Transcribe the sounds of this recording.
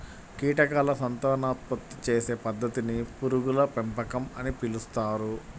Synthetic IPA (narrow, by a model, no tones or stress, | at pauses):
kiːʈɐkaːlɐsɐnt̪aːnaːt̪̚pɐt̪ːi̥t͡ʃeːse̞ːpɐd̪ːɐt̪inipuɾuɡulɐpempɐkɐmɐnipilust̪aːɾu